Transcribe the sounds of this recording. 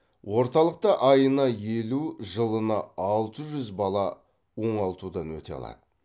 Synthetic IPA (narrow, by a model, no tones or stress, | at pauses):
wʔo̞ɾt̪ɑlˠəq̚t̪ɑʔɑjənɑjeluʒəlˠənɑɑlˠt̪əʒʏzbɑlˠɑ | wo̞ɴɑlˠt̪ud̪ɑnwɵ̰t̪e̞̰ɑ̰lˠɑ̰d̪̥ə